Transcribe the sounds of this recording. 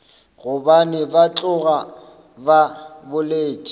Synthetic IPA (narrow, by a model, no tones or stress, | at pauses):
ɣʊbanɪbat͡ɬʼʊɣa | babʊleːt͡ʃʼi